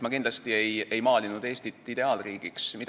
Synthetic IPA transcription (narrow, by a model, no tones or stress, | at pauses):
mɑkind̪lɑst̪ie̞je̞jmɑːlʲinud̪e̞ːst̪it̪ːˑid̪e̞ɑːlriːɡ̥iksmid̪